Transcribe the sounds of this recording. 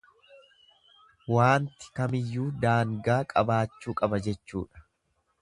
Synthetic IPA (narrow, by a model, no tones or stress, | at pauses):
waːnt̪ɪ̥kɐmɪjːuːd̪aːŋɡaːkʼɐbaːt͡ʃːuːkʼɐbɐd͡ʒɛt͡ʃːṵːᶑɐ̥